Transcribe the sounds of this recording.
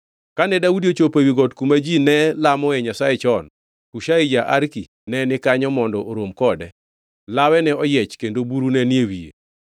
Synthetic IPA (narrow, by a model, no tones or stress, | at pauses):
kanɛdaudiot͡ʃopewiɡɔtkumad͡ʒinɛlamɔɛɲasajet͡ʃɔn | kuʃaid͡ʒaʔaɾki | nɛnɪkaɲɔmɔndɔʔoɾomkɔdɛ̰ | lawɛnɛɔjɛt͡ʃkendobuɾunɛniewijḛ